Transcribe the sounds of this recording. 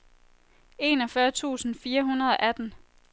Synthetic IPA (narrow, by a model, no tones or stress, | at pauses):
e̝ːnɒfɶɐt͡sʰṵːsn̩fiːɐɦunɐð̞ˠɒ̽ʔæd̥n̩